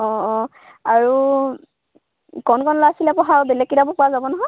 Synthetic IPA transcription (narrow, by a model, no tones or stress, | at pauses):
ɔ̃ | aɹu | kɔnkɔnɔlaasilɛpɔɦaɹbɛlɛkːidabɔpuazabɔnɔɦɔj